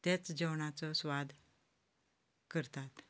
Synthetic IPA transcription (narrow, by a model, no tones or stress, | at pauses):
t̪et͡sd͡ʑəwɳat͡sɔsʋad̪ | kəɾt̪at̪